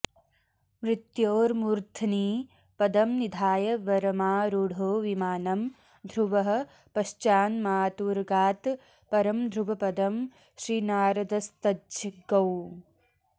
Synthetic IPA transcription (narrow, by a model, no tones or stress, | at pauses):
mɾɪt̪joːɾmuːɾt̪ʰɐniː | pɐd̪ɐmnid̪ʱaːjɐʋɐɾɐmaːɾuɽʱoːʋimaːnɐm | d̪ʱɾuʋɐɦɐ̆ | pɐʃt͡ʃaːnmaːt̪uːɾɡaːt̪ | pɐɾɐmd̪ʱɾuʋɐpɐd̪ɐm | ʃɾiːnaːɾɐd̪ɐst̪ɐd͡ʒɐɡɐw